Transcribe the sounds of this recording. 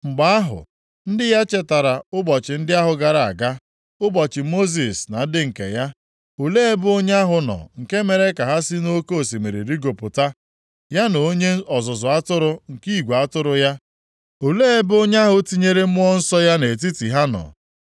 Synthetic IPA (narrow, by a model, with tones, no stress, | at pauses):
ŋ͡m̩˨ɡ͡ba˨˦a˦ɦʊ̰˨ | n̩˦dɪ˦ja˦t͡ʃe˦ta˨ɾa˨ʊ˦bɔ˨t͡ʃɪ˨n̩˦dɪ˦a˦ɦʊ˨ɡa˨ɾa˨a̰˨ɡa˦ | ʊ˦bɔ˨t͡ʃɪ˨mo˦zi˨sna˨n̩˦dɪ˦ŋ̩˨kḛ˨ja˦ | o˨le˦e˦bo˦ɲ˦a˦ɦʊ˨nɔ̰˨ŋ̩˨ke˦me˨ɾe˦ka˨ɦa˦si˦no˦ko˦˨si˨me˨ɾḭ˨ɾi˦ɡo˨pʊ˨ta˦ | ja˦no˨o˦ɲe˦ɔ˨zʊ˨zʊ˨a˦tʊ˦ɾʊ˦ŋ̩˨kiː˦˨ɡʷe˨a˦tʊ˦ɾʊ˦ja˦ | o˨le˦e˦bo˦ɲe˦a˦ɦʊ˨ti˦ɲe˦ɾe˦m̩˦ɔ˦n̩˦sɔ˦ja˦ne˨t̬i˦ti˨ɦa˦nɔ̰˨